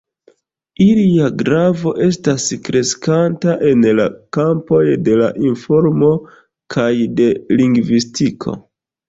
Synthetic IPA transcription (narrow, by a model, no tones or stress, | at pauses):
iliaɡɾavo̞ʔe̞staskɾe̞skantaʔe̞nla̰kampo̞jde̞la̰ʔinfo̞ɾmo̞ | kʰajde̞liŋɡvistikʰo̞̰